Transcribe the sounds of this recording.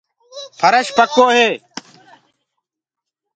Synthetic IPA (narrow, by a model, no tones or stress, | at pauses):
pʰəɾəʃpəkʰoːɦeː